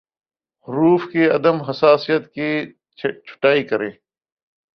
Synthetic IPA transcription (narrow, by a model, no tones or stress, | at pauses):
hʊɾuːfkiːɐd̪əmɦəsaːsijət̪kiː | t͡ʃʰʊ̥ʈaːiːkəɾḛ̃ː